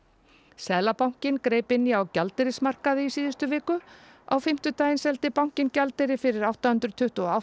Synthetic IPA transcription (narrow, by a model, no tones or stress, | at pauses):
sɛːlapawŋ̥cɪnkɾeːjpɪnːiawcalt̪ɪɾɪsmar̥kaðɪisiːðɪst̪ʏvɪːkʏ | a̰wfɪm̥t̪ʏt̪aːjɪnsɛlt̪ɪpaw̥ŋ̥cɪncalt̪ɪɾɪfɪɾɪɾawht̪ahʏnt̪ɾʏt̪ʰʏht̪ʏɔaw